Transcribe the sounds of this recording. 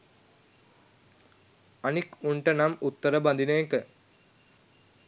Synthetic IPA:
anikuɳʈənamut̪ːəɾəband̪inəjekə

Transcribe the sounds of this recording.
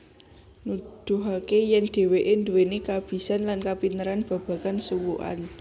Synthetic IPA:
nud̪̥ṳɦakejɛŋd̪̥e̤weʔend̪uwenikab̥i̤sanlankapinəɾanb̥ä̤b̥ä̤kansuwuʔa̰n

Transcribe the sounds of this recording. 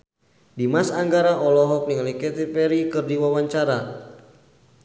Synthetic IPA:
dimasaŋɡaɾaʔɔlɔɦɔk̚niŋlikɛt̪ipɛɾikɨrdiwawaɲt͡ʃaɾa

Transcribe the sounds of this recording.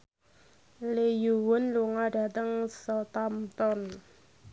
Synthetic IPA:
lejuwʊnluŋaɖ̥at̪əŋsɔt̪amt̪ɔn

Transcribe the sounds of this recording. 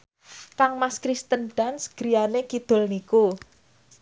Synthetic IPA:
kaŋmaskɾist̪ənɖ̥a̤nsɡ̥ɾijanekid̪̥o̤lniku

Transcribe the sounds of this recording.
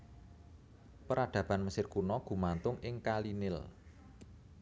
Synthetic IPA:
pəɾaɖ̪̥a̤b̥a̤nməsɪrkunɔɡ̥ṳmant̪ʊŋɪŋkalinɪl

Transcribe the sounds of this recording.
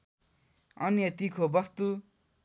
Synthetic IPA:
ʌ̰njʌt̪ikʰobʌst̪u

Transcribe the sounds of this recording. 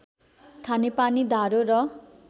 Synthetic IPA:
kʰanepanid̪ʱaɾorʌ

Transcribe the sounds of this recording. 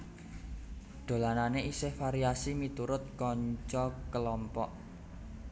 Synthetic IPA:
ɖ̪̥o̤lananeʔisehfaɾiasimit̪uɾʊt̪̚kɔɲt͡ʃɔkəlɔmpɔʔ

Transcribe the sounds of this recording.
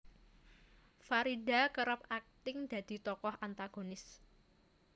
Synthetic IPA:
faɾida̤kəɾəp̚ak̚t̪ɪŋd̪̥ä̤d̪̥i̤t̪ɔkɔhant̪aɡ̥o̤nɪs

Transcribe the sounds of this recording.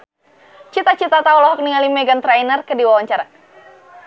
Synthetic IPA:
t͡ʃit̪at͡ʃit̪at̪aulɔɦɔk̚niŋalimɛɡant̪ɾajnərkədiwawaɲt͡ʃaɾa

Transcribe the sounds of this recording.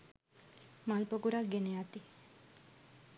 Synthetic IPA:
malpoɡuɾaɡeneat̪i

